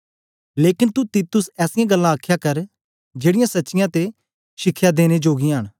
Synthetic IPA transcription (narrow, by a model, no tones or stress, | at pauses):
leːkɪnt̪ut̪iːt̪ʊsɛːsɪjãɡəlːãəkʰːjakəɾ | d͡ʒeːɽɪjãsɐːt͡ʃɪjãt̪e | ʃɪkʰːjad̪eːned͡ʒoːɡiɦəɳ̃